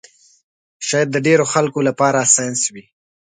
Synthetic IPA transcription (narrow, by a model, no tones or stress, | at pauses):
ʃɑjad̪ːəɖeɾoxalkolapɑɾasajnswi